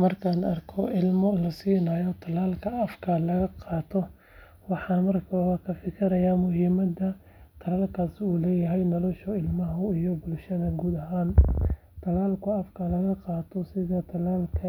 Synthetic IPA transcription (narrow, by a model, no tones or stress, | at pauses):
mɐrkʰaːnɐrkʰɔʔɪlmɔlɐsiːnaːjɔt̪ʰɐlaːlkʰɐɐfkʰɐlɐɣɐqɑːt̪ʰɔ | wɑħɑːmɐrkʰɐɣɐkʰɐfɪkʰɪɾɐjaːmʊɦɪːmɐd̪ɐ | t̪ʰɐlaːlkʰaːsɪuːlɛːjɐɦɛjnɔlɔʃɔɪlmɐɦʊijɔbʊlʃɐðɐɡuːd̪ɐɦaːn | t̪ʰɐlaːlkʰʊɐfkʰɐlɐɣɐqɑːt̪ʰɔsɪðɐt̪ʰɐlaːlkʰɐ